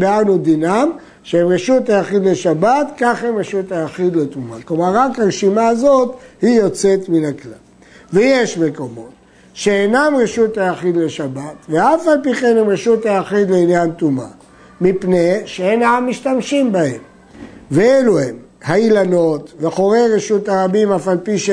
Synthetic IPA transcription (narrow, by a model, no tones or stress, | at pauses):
banud̪inam | ʃeemʁeʃut̪ajaχid̪leʃabat̪kaχhemʁeʃut̪ajaχid̪let̪umaklo̞maʁːakhaʁʃimaːzo̞t̪hijo̞t͡se̞t̪minakla̰l | vejeʃme̞ko̞mo̞t̪ | ʃeenamʁeʃut̪ajaχid̪le̞ʃabat̪veafalpiχenemʁeʃut̪ajaχid̪leinjantuma̰ | mipneʃeenaamːiʃtamʃimbahe̞m | veeluhem | hailano̞t̪veaχoʁe̞jʁeʃuthaʁabimafalpiʃ